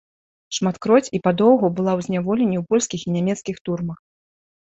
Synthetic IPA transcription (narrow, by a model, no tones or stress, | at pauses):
ʂmat̪kɾɔt͡sʲipad̪ɔwɣubɨlˠawzʲnʲavɔlʲenʲːiwpɔlʲskʲixinʲɛmʲɛt̪skʲixt̪urmɐx